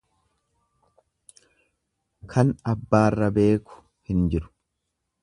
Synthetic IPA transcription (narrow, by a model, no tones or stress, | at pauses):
kʰɐnɐbːaːrːɐbe̞ːkʊ̥ | hɪnd͡ʒɪɾʊ̥